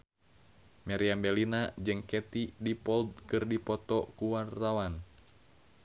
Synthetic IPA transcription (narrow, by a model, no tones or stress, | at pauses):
mɛɾiambɛlinad͡ʒɨŋkɛt̪idipɔld̪̚kɨrdipɔt̪ɔkuwart̪awan